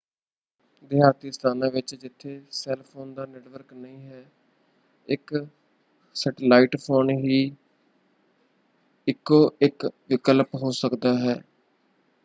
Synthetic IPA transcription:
d̪ɪɦaːt̪iːst̪ʰaːnãːʋɪt͡ʃd͡ʒɪt̪ʰːeːsɛːlpʰoːnd̪aːnɛːʈʋəɾknəĩːɦɛː | ɪk | sɛːʈəlaːiːʈpʰoːnɦiː | ɪkːoːɪkʋɪkəlpɦoːsəkd̪aːɦɛː

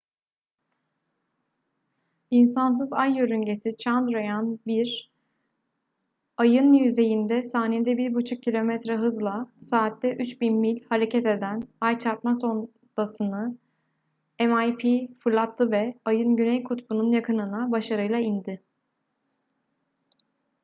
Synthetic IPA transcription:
ins̬ans̬ɯzajːøɾyɲɟe̞sit͡ʃʰand̪ɾojanbiɾ | ajɯnjyze̞jind̪ɛsaːned̪ɛbiɾbut͡ʃʰuk̚cʰːilʲo̞mɛt̪ɾɛɦɯzlˠasaːt̪ːɛʔyt͡ʃbinmilʲhaɾe̞cʰɛt̪e̞d̪ænajt͡ʃʰaɾt̪maso̞n | d̪̥asɯnɯ | ɛmajpʰifɯɾlˠat̪ʰːɯvɛajɯnɟynɛjkʰut̪bununjakʰɯnɯnabaʃaɾɯjlˠaind̪ɪ

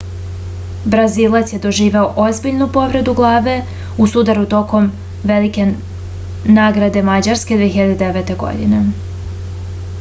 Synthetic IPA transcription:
bɾaziːlˠat̪sje̞d̪o̞ʒiːʋe̞oʔo̞zbiʎnupo̞ʋɾe̞d̪uɡlˠaːʋe̞ | usud̪aɾut̪o̞ko̞m | ʋe̞like̞ | naːɡɾad̪e̞mad͡ʑaɾske̞d̪ʋieçiʎad̪ed̪eʋet̪e̞ɡo̞̰d̪ine

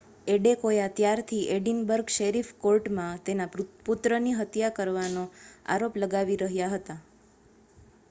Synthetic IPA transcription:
eɖekojat̪jaɾt̪ʰiʔeɖinbəɾɡʃeɾifkoɾʈmãt̪enaput̪ɾəniɦət̪jakəɾʋanoa̰ɾopləɡaʋiɾəɦjaɦət̪a

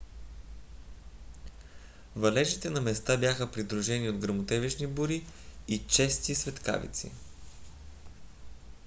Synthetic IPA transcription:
vɐlɛʒit̪ɛnɐmɛst̪abjaxəpɾid̪ɾuʒɛniod̪ɡɾəmot̪ɛviʃnibuɾiit͡ʃɛst̪isvɛt̪ka̰vḭt̪sḭ

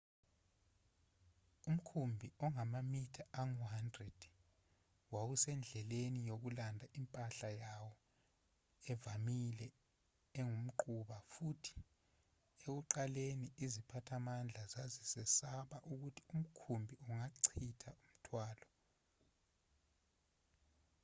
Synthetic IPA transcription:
um̩kʰumbʱiɔŋamamitʰaaŋuɦandrɛd̥ | wawusɛnd͡ɮʱɛlenijok̬ulandʱaʔimpʼaɬajawɔ | ɛvamilɛ | ɛŋum̩ǃuɓafutʰi̥ | ek̬uǃaleniizipʰatʰamand͡ɮʱazazisɛsaɓaʔuk̬utʰi̥um̩kʰumbʱiuŋaǀʰitʰaum̩tʰwaːlɔ

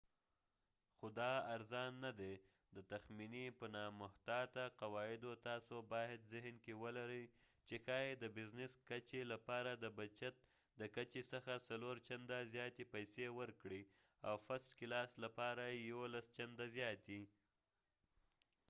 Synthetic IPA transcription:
xod̪ɑaɾzɑnːad̪e | d̪ət̪axminipənɑmʊht̪ɑt̪aqawɑɪd̪ot̪ɑsobɑjɪd̪zɪɦnkewəlaɾəj | t͡ʃexɑjed̪əbɪznɪskat͡ʃelapɑɾad̪əbat͡ʃat̪̚ | d̪əkat͡ʃesəxasaloɾt͡ʃand̪azjɑt̪epajsewəɾkɽi | awfaslkilɑslapɑɾajjawolast͡ʃand̪azjɑt̪i

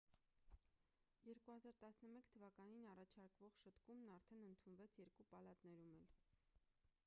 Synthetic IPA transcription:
jɛɾkuhɑzɑɾt̪ɑsnəmɛkt̪ʰəvɑkɑninɑrɑt͡ʃʰɑɾkvɔʁʃət̪kumnɑɾt̪ʰɛnənt̪ʰunvɛt͡sʰjɛɾkupɑlɑt̪nɛɾumɛl

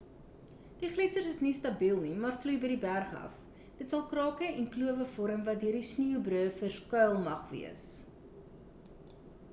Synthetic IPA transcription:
d̥iχlitsərsəsnistɐbiːlˠnimɑːrflujbəjdibærχɐ̰f | d̥ətsɐlˠkrɑːkəɛnkluəvəfɔɾəmvɐt̚døərdisniuwbruəfərkœlˠmɐχvḭəs

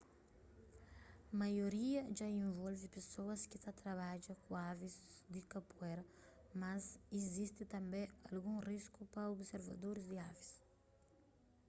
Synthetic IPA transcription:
majoɾiɐʒaĩɱvɔlvipesoɐskit̪at̪ɾɐβad͡ʒɐkũavizd̪ikɐpuɛɾɐ | mɐzizist̪it̪ɐ̃mbɛ̃ɐlɡũriskupɐobseɾvɐ̰d̪oɾizd̪iavis

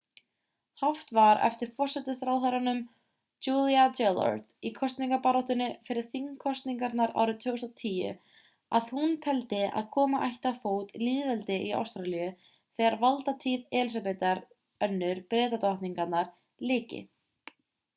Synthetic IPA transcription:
haft̪vaɾɛ̰ft̪ɪɾ̥fɔr̥sɛt̪ʏst̪ɾawθaɾanʏm | t͡ʃuːliat͡ʃɛlɔ̰ɾt̪ikʰɔst̪niŋkapaɾɔht̪ʏnːʏfɪɾɪɾ̥θiŋkʰɔst̪niŋkaɾt̪naɾa̰ːwɾʏt̪ʰvʏːɣʏst̪at̪ʰiːjʏ̰ | aðhunt̪ʰɛlt̪ɪa̰ðkʰɔːmaʔajht̪afoːwt̪liːðvɛlt̪ɪʔia̰wst̪ɾalijʏ | θɛːɣaɾvalt̪at̪ʰiːðɛlisapɛt̪aɾ | œnːʏɾpɾɛːt̪at̪aaht̪niŋkat̪naɾ̥ | lɪːcɪ̰

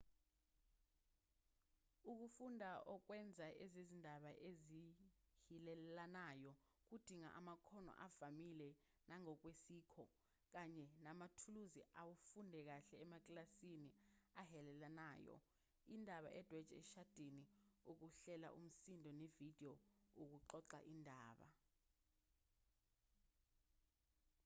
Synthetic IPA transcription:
uk̬ufundʱaʔɔk̬wɛnd͡zʱaʔɛzizindʱaɓaʔezihilɛlanajɔ | k̬ud̥ʱiŋa̰ʔa̰makʰɔnɔ̰ʔav̥amilɛ | naŋɔk̬wesiːkʰɔ | k̬aɲɛnamatʰuluziʔawufundʱɛk̬aɬɛːmak̬ʼlasiniahɛlɛlanaːjɔ̰ | indʱaɓa̰ʔɛd̥ʱwɛd̥ʒ̥ʱɛ̰ʃad̥ʱiniuk̬uɬɛla̰ʔṵm̩sindʱɔnevid̥ʱijɔuk̬uǃɔǃa̰ʔindʱaːɓa̰

